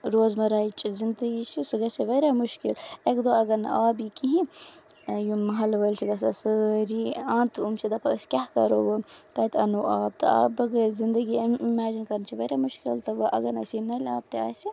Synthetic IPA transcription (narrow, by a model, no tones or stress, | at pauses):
ɾoːzmɐɾaːit͡ʃʼizind̪ɐɡit͡ʃʰisɨɡɐsiʋɐɾamuʃkilekd̪oːɐɡɐnɐ̰aːbikiɦĩ | jumɐɦɐlʋɐlt͡ʃʰiɡɐs̬ɐsɨɾiãːnt̪ʰumt͡ʃʰid̪ɐpʰɐskʲahkɐ̰ɾoʋɐt̪ɐt̪ʰɐnuʔaːb̚t̪ɨ̰a̰ːbɐɡɐɾzind̪ɐɡimaːd͡ʒinkɐɾnt͡ʃʰiʋɐɾamuʃkilt̪ɐbɐʔɐ̰ɡɐnɐ̰sinɐlʲaːb̚t̪ia̰ːsi